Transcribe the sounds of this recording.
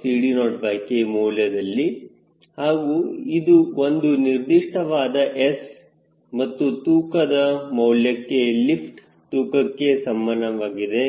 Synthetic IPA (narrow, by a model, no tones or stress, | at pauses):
siːɽinoːɖbaːkemɔwljɐd̪ɐlːi | haːɡuid̪uo̞nd̪uniɾd̪iʂʈɐʋaːd̪ɐʔes | mɐt̪ːut̪uːkɐd̪ɐmɐwljɐkːe̞lipʰʈ | t̪uːkɐkːe̞sɐmːanːɐʋaːɡid̪e̞